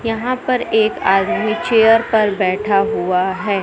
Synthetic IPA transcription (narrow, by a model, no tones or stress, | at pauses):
jɐɦãpɐɾeːkaːd̪mit͡ʃeːjəɾpɐɾbɛːʈʰaɦuaɦɛː